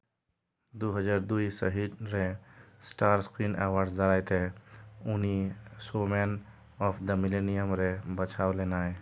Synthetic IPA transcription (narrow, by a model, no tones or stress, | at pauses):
d̪oɦəd͡ʒaːɾd̪uisə̰ɦid̪ɾẽsʈaːɾskɾiːnḛːwaːɾɖsd̪əɾaːjt̪eʊnisoːmɛːn | ɔːfʰd̪əmɪleːnijəmɾebət͡ʃʰaːwleːnaːe